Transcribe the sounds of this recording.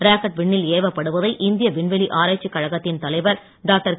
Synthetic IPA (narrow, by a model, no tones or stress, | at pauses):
ɾaːkɐʈ̚ʋɪɳːɪleːʋɐpːɐɽɯʋɐðɐɪʔɪnd̪ɪjɐʋɪɳʋɛɭiʔaːɾaːt͡ʃːikːɐɻɐɣɐt̪ːɪnt̪ɐlɐɪʋɐɾ | ɖaːk̚ʈɐɾ